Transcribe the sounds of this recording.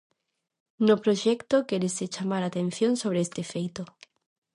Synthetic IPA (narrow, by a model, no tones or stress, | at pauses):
nopɾoʃɛkt̪okeɾeset͡ʃamaɾat̪ẽn̟θjonsoβ̞ɾeest̪efejt̪o